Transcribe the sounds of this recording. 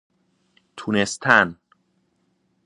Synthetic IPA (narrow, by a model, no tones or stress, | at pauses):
t̪ʰunest̪ʰæn